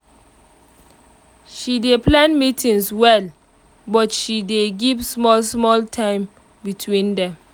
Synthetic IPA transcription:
ʃideplãnmitʰĩnswɛl | bɔtʃideɡivsmɔlsmɔltʰãɪ̃m | bitʰwĩndɛ̃m

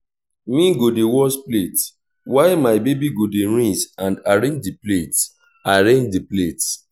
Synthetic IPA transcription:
mĩɡodewɔsplet | waɪmaɪbebiɡodeɹĩsãndaɹẽd͡ʒdiplet | aɾẽnd͡ʒdiplet

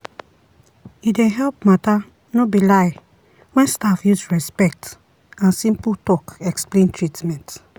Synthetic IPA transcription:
idẽɦɛlp̚mata | nobilaɪ | wɛ̃nstafjusɹɛspɛk̚t | ãnsĩmputɔkɛksplẽntʰɹitmɛ̃nt

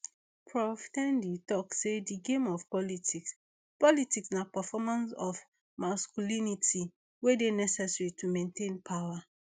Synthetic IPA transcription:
pʰɹɔftɛ̃nditɔksediɡẽmɔfpɔlitiks | pɔlitiksnapafɔmãnsɔf | maskulinitʰi | wedenɛsɛsɹitʰumẽntʰẽnpʰawa

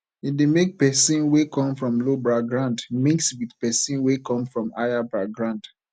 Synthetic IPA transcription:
idemek̚pɛsĩnwekɔ̃mfɹɔ̃mlobɹaɡɹãndmĩŋkswiðpɛsĩnwekɔ̃mfɹɔ̃ma̰jabɹaɡɹãnd̥

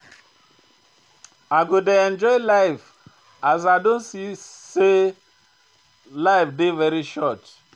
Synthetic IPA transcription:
aɡʊdeɛ̃nd͡ʒɔɪlaɪf | az̬adõnsise | laɪfdɪvɛɾiʃɔt

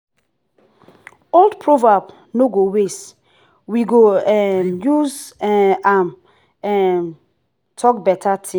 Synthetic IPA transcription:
oldpʰɹovab | noɡowes | wiɡoɛmjuz | am | ɛm | tʰɔkbɛtʰatʰĩ

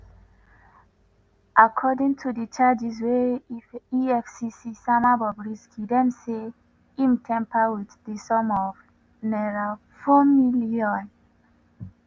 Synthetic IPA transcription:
ʔakʰɔdĩŋtʰudət͡ʃad͡ʒizwɛifiɛfsisisamabɔbɹiskʰidɛ̃mse | imtʰɛ̃mpawiθdisɔ̃mɔv | nɛɹa | fomiliɔ̃n

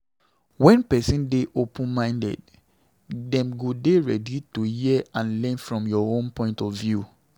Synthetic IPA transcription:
wɛ̃npɛsĩndeʔopʰũnmãɪ̃ndɛ̰d | dɛ̃mɡodeɹɛdituhiãnlɛ̃nfɹɔ̃mjɔõnpɔ̃ɪ̃ntɔvvju

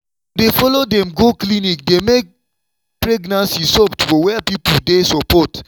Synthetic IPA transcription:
defɔlodɛ̃mɡoklinik̚demek̚ | pɹeɡnãnsisɔptfɔwɛpipudesɔpɔt

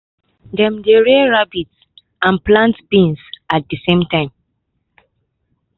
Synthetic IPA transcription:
dɛ̃mdeɹeɹabits | ãnplãntbĩnsat̚disẽmtãɪ̃m

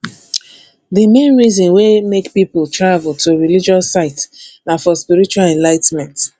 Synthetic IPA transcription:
ðɨmẽnɹizɔ̃nwemekpipʊlˠtɹavlˠtʰoɹilid͡ʒɔsaɪtnãfɔspiɹit͡ʃualɛ̃nlaɪtmɛ̃nt

